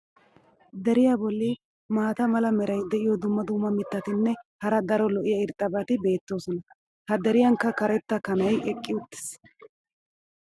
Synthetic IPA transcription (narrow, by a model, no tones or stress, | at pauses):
d̪ɛɾɪjaːbɔlːi | maːt̪ɐmɐlɐmɛɾɐjd̪ɛʔɪjɔd̪ʊmːɐd̪ʊmːɐmɪt̪ːɐt̪ɪnːɛhɐɾɐd̪ɐɾɔlɔʔɪjɐɪɾt̪ʼːɐbɐt̪ɪbe̞ːt̪ːo̞ːsɔnɐ | hɐd̪ɛɾɪjɐŋkːɐkɐɾɛt̪ːɐkɐnɐjɛkʼːɪʊt̪ːɪ̥s